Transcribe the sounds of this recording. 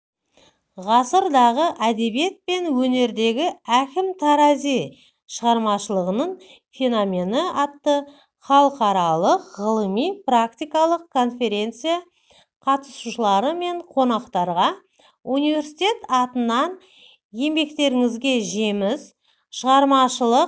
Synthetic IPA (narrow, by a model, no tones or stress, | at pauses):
ʁɑsəɾd̪ɑʁəʔæd̪e̞bije̞t̪̚pe̞nwɵne̞ɾd̪e̞ɡʲɪækʲɪmt̪ʰɑɾɑzij | ʃəʁɑɾmɑʃəlˠəʁənəɴ | fʲe̞nomʲe̞nəɑt̪ːə | χɑlˠəqɑɾɑlˠəqʁəlˠəmijprakt̪ijkɑlˠəqkʰːo̞nfʲe̞ɾʲe̞nt̪sɨja | qʰɑt̪əsuʃəlˠɑɾəme̞ɴqʰo̞nɑqt̪ɑɾʁɑ | unijvʲe̞ɾsi̥t̪ʲe̞t̪ɑt̪ənːɑn | je̞mbe̞kt̪e̞ɾɪŋɪzɡʲe̞ʒemɪz | ʃəʁɑɾmɑʃəlˠəq